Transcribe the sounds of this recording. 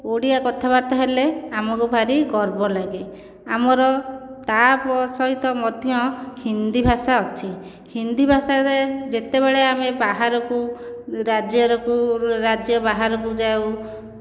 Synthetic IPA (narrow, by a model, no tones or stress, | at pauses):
oɽiakɔt̪ʰabaɾt̪ɔɦeleamɔkubʱaɾiɡɔɾbɔlaɡe | amɔɾɔt̪apɔsɔɦit̪ɔmɔd̪ʱijɔ̃hind̪ibʱasaɔt͡ʃʰi | hind̪ibʱasaɾed͡ʒet̪eβeɭeamebaɦaɾɔkuɾad͡ʒjɔɾɔkuɾad͡ʒjɔbaɦaɾɔkud͡ʒaw